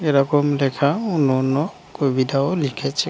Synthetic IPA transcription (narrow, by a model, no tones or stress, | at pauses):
ɛɾakɔmlɛkʰaunɔnɔ | kobidaolikʰɛt͡ʃʰɛ